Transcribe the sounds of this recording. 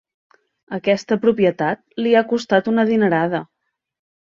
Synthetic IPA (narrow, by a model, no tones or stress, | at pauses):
əkɛst̪əpɾupjət̪at̪̚liakust̪at̪unəðinəɾaðə